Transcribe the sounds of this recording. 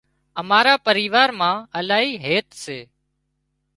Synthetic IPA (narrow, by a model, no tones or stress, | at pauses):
əmaːɾaːpəɾiːʋaːɾmãːəlaːɦiːɦeːt̪seː